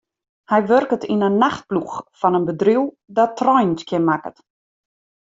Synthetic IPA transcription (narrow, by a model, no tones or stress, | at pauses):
hɛjʋørkətinənːaxt̚pluxfɔnənbədriw | dɔtʰrɔjntkjɪnmakə̰t